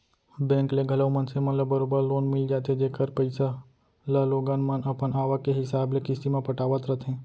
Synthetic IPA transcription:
bɛ̃ːŋkleɡʱɐləwmənsemɐləbːəɾoːbəɾloːnmɪld͡ʒaːt̪ed͡ʒeːkəɾpəɪsa | ləloːɡaːnmənɐpənaːʋakeɦɪsaːblekɪsimẽpɐʈaːʋət̪ɾət̪ʰɦɛ̃ː

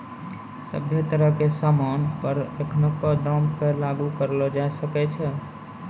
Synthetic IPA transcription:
sə̰bʱjət̪əɾəɦkesamanpəɾekʰnokɔd̪ɔmkelaɡukəɾlɔd͡ʒaesəkɛt͡ʃʰɛ

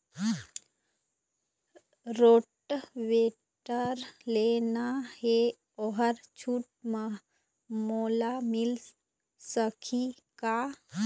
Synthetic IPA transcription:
ɾoːʈʋeː | ʈəɾleːnaɦe | ɔɦəɾt͡ʃʰuːʈ̚mə | moːlamɪl | səkʰi | ka

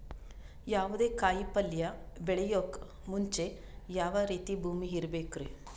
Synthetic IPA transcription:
jaːʋud̪eːkaːjipɐljɐbɛɭejoːk | muɲt͡ʃe | jaːʋɐɾiːt̪ibʱuːmiɦiɾbeːkɾe

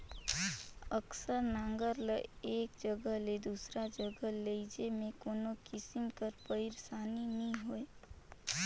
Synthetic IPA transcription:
əksəɾnãːŋɡəɾləeːk̚d͡ʒəɡəɦled̪usɾad͡ʒəɡəɦleid͡ʒemẽkoːnokɪsɪmkəɾpəɪɾsaːninĩɦoe

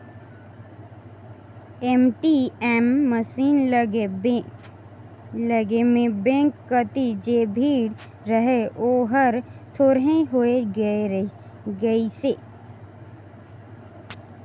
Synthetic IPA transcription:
emʈiɛːmːəsiːnləɡe | ləɡemẽbẽːŋkːət̪id͡ʒeːbʱiːɽ | ɾəɦeʔoːɦəɾt̪ʰoːɾɦẽɦoːee | ɡəiseː

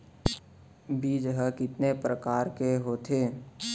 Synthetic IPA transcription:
bʱid͡ʒəɦəkɪt̪nepɾəkaːɾkeɦoːt̪ʰeː

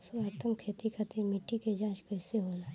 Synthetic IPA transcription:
soət̪əmkʰeːt̪ikʰat̪ʰemɪʈːiked͡ʒãːt͡ʃkəɪseɦoːla

